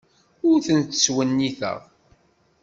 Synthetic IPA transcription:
ʊɾθənt̪ə̥swənːiθə̰ʁ

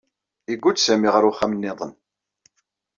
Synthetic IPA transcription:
iɡʷːut͡ssæmiʁəɾuχæmənːɪðˤən

